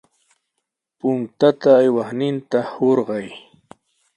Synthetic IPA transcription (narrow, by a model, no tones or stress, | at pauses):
pʊŋt̪at̪aːjwaχnɪnt̪ahoɾɢɑj